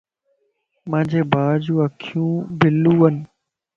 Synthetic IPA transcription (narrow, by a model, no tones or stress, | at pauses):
mãːɲd͡ʑʱeːbaːd͡ʑũːəkʰijũːbɪluːɦənɪ